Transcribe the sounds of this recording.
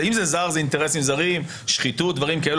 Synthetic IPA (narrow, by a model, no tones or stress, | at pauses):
imzezaʁzeint̪eʁesimzaʁim | ʃχitutd̪vaʁimkael